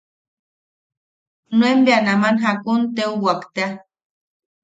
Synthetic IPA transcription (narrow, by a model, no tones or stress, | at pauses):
nuembeanamanɦakunt̪euwakt̪ea